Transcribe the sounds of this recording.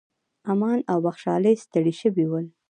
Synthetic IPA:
amɑnawbaxʃɑ̰ləjst̪əɽiʃəwiwəl

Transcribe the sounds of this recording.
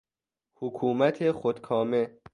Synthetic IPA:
hukʰuːmæt̪ʰeχod̪̥kʰɒːme

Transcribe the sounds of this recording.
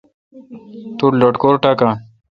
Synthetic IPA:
t̪uɾloʈkoɾʈakã

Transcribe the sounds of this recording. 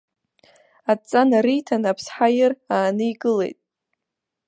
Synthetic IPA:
at͡sʼanaɾijtʰanapʰsħajɪraːnɨiɡɨlḛjtʼ

